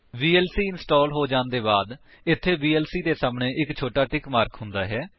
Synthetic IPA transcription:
biːɛːlsiːɪnsʈɔːlɦoːd͡ʒãːnd̪eːbaːd̪ | ɪt̪ʰːeːbiːɛːlsiːd̪eːsaːmɳẽːʔɪkt͡ʃʰoːʈaːʈɪkmaːɾkʰɦʊ̃nd̪aːɦɛː

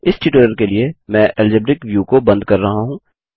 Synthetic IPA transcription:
ɪsʈiʈoːɾəɾkeliemɛ̃ːʔɛld͡ʒəbɾɪkʋjuːkobɐ̃nd̪̚kɐɾːɐɦaɦũː

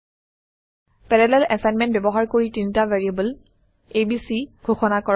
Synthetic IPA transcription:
pɛɹɛlɛlɛsajnmɛ̃nt̚bɛbɔɦaɹkoɹitintavaɹiabəl | ebisiɡ̥ʱoxɔnakɔɹ

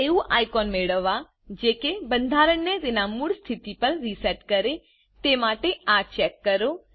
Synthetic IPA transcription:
euʔa̰ːjkɔːnmeːɽəʋa | d͡ʒeːkebə̃nd̪ʱaːɾəɳnet̪enamuɽst̪ʰit̪ipəɾːisɛʈkəɾe | t̪emaːʈeat͡ʃɛkːəɾo

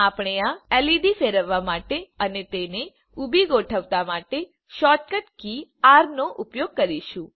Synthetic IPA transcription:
apɽ̃eãɛliɖ̪ifeɾəʋːamaʈeənet̪ene | ubiɡoʈʰəʋt̪amaʈe | ʃɔʈ̚kəʈkiaɾnoʔʊpjoɡ̚kəɾiʃũ

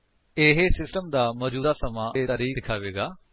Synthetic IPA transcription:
ɪɦesɪsʈəmd̪aːmɔːd͡ʒuːd̪aːsəmãːt̪aːɾiːd̪ɪkʰaːʋeːɡaː

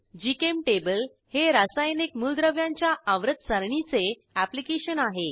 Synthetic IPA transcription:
d͡ʑikemʈebəl | heɾasajnikmuld̪ɾəʋjãɲt͡ɕjaʔaʋɾət̪̚səɾɳit͡se | æplikeɕənaɦe

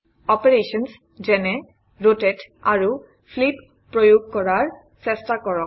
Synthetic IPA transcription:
ɔpeɹeʃɔns | zɛnɛ | ɹotɛtaɹu | fʰlip̚ | pɹojuɡ̚kɔɹaɹ | sɛstakɔɹɔk

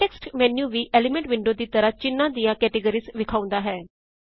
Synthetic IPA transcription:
eːksʈmɛːnjũːʋiːʔɛːlɪmɛ̃ɳʈʋɪɳɖoːd̪iːt̪əɾaːt͡ʃɪnːãːd̪ijãːkɛːʈeɡəɾiːsʋɪkʰaːʊ̃nd̪aːɦɛː

